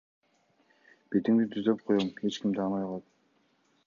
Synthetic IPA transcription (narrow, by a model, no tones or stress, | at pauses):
b̥et̪iŋd̪it̪ʰyzd̪ø̞p̚qʰojome̞t͡ʃkimd̪ɑːnojlˠɑt̪